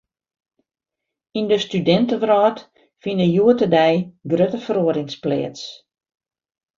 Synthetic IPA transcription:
indəstydɛntəʋrɔːt | finəjuətədɛjɡrøtəfəɾoəɾɪŋsplɛ̰ːəts

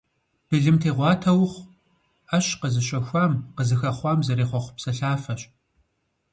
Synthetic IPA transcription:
b̥ɨɮɨmtʰeːʁʷɑːtʰɐwχʷ | ɐɕqəzɨɕʷʼɐxʷɑːmqəzɨxɐχʷɑːmzɐɾeːχʷɔχʷʊpsɐɬaːfɐɕʼ

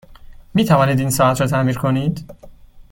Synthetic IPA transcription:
miːt̪ʰævɒːniːd̪iːnsɒːæt̪ʰɾɒːt̪ʰæmiːɾkʰo̞niːd̪

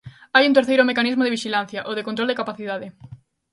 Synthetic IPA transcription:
ajunt̪̬eɾθejɾomekanizmoðɪβiʃilan̟θjɐʔoðekõnt̪ɾold̪ekapaθiðaðɪ

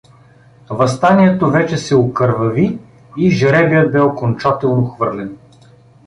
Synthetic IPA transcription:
vɐst̪aniɛt̪ovɛt͡ʃɛsɛokəɾvɐvi | iʒəɾɛvijəd̪̚bɛokont͡ʃat̪ɛlˠnoxvɤɾlɛn

